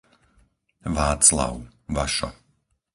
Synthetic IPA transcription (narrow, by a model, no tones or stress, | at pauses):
ʋaːt͡sla̰ʊʋaʃɔ̰